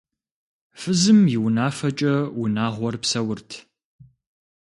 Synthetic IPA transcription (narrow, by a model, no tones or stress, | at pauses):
fɨzɨmjɪwnaːfɐt͡ʃʼɐwʊnaːʁʷɔrpsɐwʊrtʰ